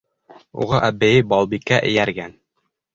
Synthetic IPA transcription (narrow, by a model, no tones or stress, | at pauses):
ṵʁɑʔæbɘ̆jɘbɑlˠbikːæʔɘ̰̆jæɾɡæn